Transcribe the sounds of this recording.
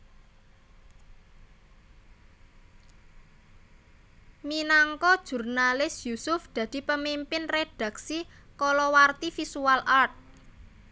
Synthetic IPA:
minaŋkɔd̥ʒ̥ṳrnalɪsjusʊfd̪̥ä̤d̪̥i̤pəmimpɪnred̥ä̤ksi | kɔlɔwart̪ifisualʔart̪̚

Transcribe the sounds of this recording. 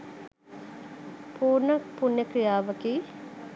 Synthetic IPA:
puːɾnək̚punːəkɾijaːʋəkiː

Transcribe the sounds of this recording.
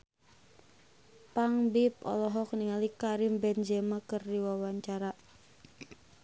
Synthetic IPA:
paŋbip̚ɔ̰lɔɦɔk̚niŋalikaɾimbɛnd͡ʒɛmakərdiwawaɲt͡ʃaɾa

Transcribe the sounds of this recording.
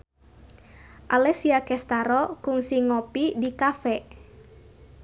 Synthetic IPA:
ʔalɛsiakɛst̪aɾɔkʊŋsiŋɔpidikafɛ

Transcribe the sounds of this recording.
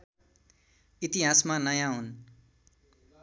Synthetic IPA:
it̪iɦasmanʌjãɦun

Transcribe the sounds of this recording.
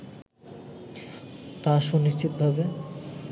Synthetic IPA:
t̪aʃoniʃt͡ɕit̪obʱabe

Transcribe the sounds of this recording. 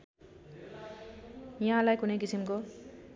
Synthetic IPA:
jãlajkunejkisimko

